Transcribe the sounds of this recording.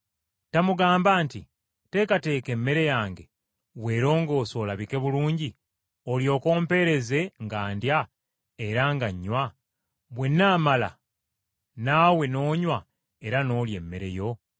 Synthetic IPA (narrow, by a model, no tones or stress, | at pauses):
tamuɡaːmbaːntḭ | te̞kate̞ːke̞mːe̞ɾe̞jaːŋɡe̞ | βwe̞ːɾo̞ːŋɡo̞ːso̞ːlaβike̞βuluːɲɟi | o̞ljo̞ːko̞ːmpe̞ɾe̞ze̞ŋɡaːndja | e̞ɾaŋɡaɲːwa | βwe̞nːaːmala̰ | naːwe̞no̞ːɲwa | e̞ɾano̞ːlje̞̰mːe̞ɾe̞̰jo̞